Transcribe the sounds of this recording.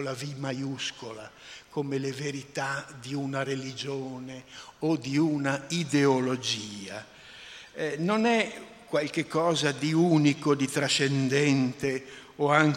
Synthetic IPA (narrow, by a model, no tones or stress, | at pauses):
lavimajuskolakomeleveɾit̪ad̪iunaɾelid͡ʒoːneod̪iunaid̪eolod͡ʒiːa̰ | nonɛ | kwalkekːɔːzad̪iunikod̪it̪ɾaʃːɛnd̪ɛnt̪eɔaŋ